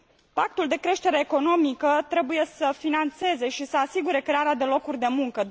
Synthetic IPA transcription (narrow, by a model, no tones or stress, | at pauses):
pak̚t̪uld̪e̞kɾe̞ʃt̪e̞ɾeːko̞no̞mikət̪ɾe̞buje̞səfinant̪se̞ze̞ʃisəasiɡuɾe̞kɾe̞aɾead̪e̞lo̞kurʲd̪e̞muŋkə